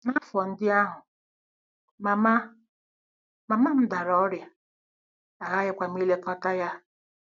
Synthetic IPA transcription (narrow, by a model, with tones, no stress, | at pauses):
na˦fɔ˨n̩˦dɪ˦a˦ɦʊ˨ | ma˨ma˦ | ma˨ma˦m̩˦da˨ɾɔ˦ɾja˨ | a˨ɣa˦ɣɪ˦kʷa˨m̩˦i˦le˦kɔ˦ta˦ja˦